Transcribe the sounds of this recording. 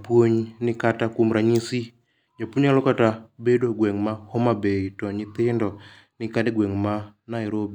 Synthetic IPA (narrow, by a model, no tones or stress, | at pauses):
pwoɲnɪkatakumɾaɲisi | ɲapoɲalɔkatabedoɡwɛŋmahɔmabetɔɲɪt̪ɪndɔ | nɪkadeɡwɛŋmanajɾobi